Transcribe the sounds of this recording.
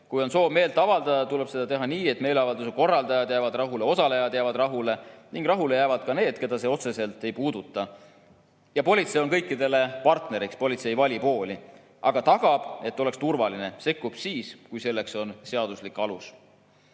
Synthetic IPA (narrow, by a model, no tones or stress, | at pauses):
kujo̞nso̞ːbme̞ːlt̪ːˑɑvɑld̪̥ɑd̪̥ɑt̪ule̞b̥se̞d̪ɑt̪e̞ɦɑniːe̞t̪ːˑme̞ːleɑvɑld̪us̬eko̞rːɑld̪̥ɑjɑd̪jæːvɑd̪rɑɦule̞o̞sɑle̞jɑd̪jævɑd̪rɑɦule̞niŋɡ̥rɑɦule̞jæːvɑd̪̥̚kɑne̞ːd̪̥ke̞d̪̥ɑse̞o̞t̪se̞se̞lt̪ːˑe̞jpuːd̪̥ut̪ːˑɑ | jɑpo̞lʲit̪se̞jo̞nkɤ̞jkːˑid̪e̞le̞pɑrt̪ne̞ɾikspo̞lʲit̪se̞jvɑlʲipo̞ːlʲi | ʔɑɡ̥ɑt̪ɑɡ̥ɑb̥e̞t̪ːˑo̞lekst̪urvɑline̞se̞kːˑub̥siːskujse̞lːe̞kso̞nseɑd̪̥uslikːˑɑlus